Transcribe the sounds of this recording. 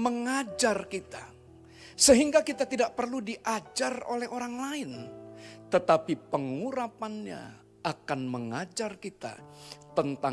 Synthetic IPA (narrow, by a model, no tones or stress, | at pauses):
məŋad͡ʒarkit̪a | səɦiŋɡakit̪at̪idaʔpərludiʔad͡ʒaro̰lɛhoɾaŋlaɪnt̪ət̪apipəŋuɾapanɲa̰ː | kanməŋad͡ʒarkit̪a̰t̪ənt̪a